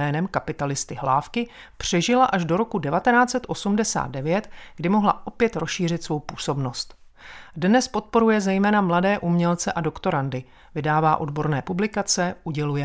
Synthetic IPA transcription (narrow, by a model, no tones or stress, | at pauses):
ɛːnɛmkapɪt̪alɪst̪ɪɦlaːfkɪ | pr̝̥ɛʒɪlaʔaʒdo̞ɾo̞kudɛvat̪ɛnaːt͡sɛt̪ʔo̞sumdɛsa̰ːd̪̚dɛvjɛt̪ɡ̥dɪmo̞ɦla̰ʔo̞pjɛt̪ɾosʃiːr̝ɪt̪svo̞wpuːso̞bno̞st̪ | dnɛspo̞t̪̚po̞ɾujɛzɛjmɛːnamladɛːʔumɲɛlt͡sɛʔado̞kt̪o̞ɾandɪ | vɪdaːvaːʔo̞dbo̞ɾnɛːpublɪkat͡sɛʔuɟɛlujɛ